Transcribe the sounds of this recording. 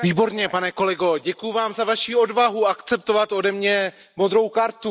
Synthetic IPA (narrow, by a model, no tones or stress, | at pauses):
viːbo̞ɾɲɛpanɛko̞lɛɡo̞ɟɛkujuvaːmzavaʃiːo̞dvaɦuakt͡sɛp̚t̪o̞vat̪o̞dɛmɲɛ | mo̞d̪ɾo̞wkaɾt̪u